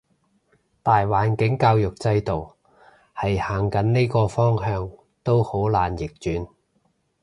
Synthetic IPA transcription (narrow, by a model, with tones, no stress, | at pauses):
t̪aː˨jwaː˨˥nkɪ˨˥ŋkaː˧wjʊ˨k̚t͡sɐ˧jt̪o˨˩w | hɐ˨jhaː˨˩ŋkɐ˨˥nne˥jkɔː˧fɔː˥ŋhœː˧ŋ | t̪o˥who˨˥wlaː˨njɪ˨k̚t͡ʃyː˨˥n